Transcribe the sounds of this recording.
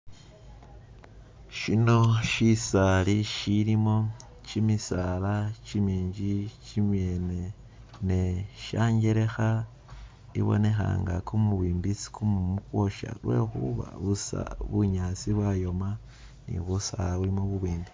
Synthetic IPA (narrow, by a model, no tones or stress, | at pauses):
ʃino̞ʃisaliʃiɾimo̞ | t͡ʃimisalat͡ʃimiːɲd͡ʒit͡ʃimje̞ne̞ | ne̞ʃaːɲɡe̞ɾe̞xa | ḭβo̞̰ne̞xa̰ːŋɡakumuβiːmbisi̥kʰumumukwo̞ʃa̰lwe̞̰ːxṵβa̰βusa̰βuɲaːt͡siβwajo̞ma | nḭβusaaβulimoβuβiːmbi